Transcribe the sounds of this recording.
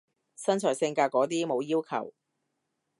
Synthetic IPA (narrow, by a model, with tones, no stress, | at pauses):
sɐ˥nt͡ʃʰœː˨˩jsɪ˧ŋkaː˧kːɔː˨˥t̪iː˥mo˨˧wjiː˥wkʰɐ̰˨˩w